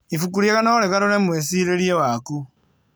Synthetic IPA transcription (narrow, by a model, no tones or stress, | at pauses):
ifukuɾjekanaoɾekaɾoɾemwesiɾeɾjewaku